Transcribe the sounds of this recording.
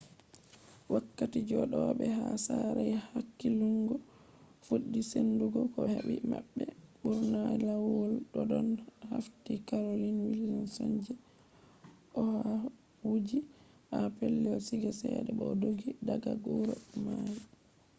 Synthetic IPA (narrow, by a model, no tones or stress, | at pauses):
wakːatid͡ʒɔɗɔɓɛɦasaɾajhakːiluŋɡɔ | fuɗːisenduɡɔkɔhebimaɓːɛɓuɾnajlawɔlɗɔdɔnhaftikaɾolinwilːinsɔɲd͡ʒɛ | ʔɔha | wud͡ʒi | ʔapelːɛɔsiɡasɛɗɛɓɔdoɡidaɡaɡɔɾɔmaj